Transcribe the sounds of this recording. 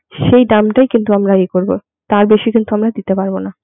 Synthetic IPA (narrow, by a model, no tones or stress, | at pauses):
ʃejɖamʈajkint̪uamɾaekoɾbo | t̪aɾbeʃikint̪uamɾad̪it̪epaɾbona